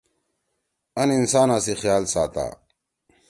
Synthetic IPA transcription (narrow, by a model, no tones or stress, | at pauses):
ɐninsaːnãːsexjaːlsa̰ːt̪a̰ː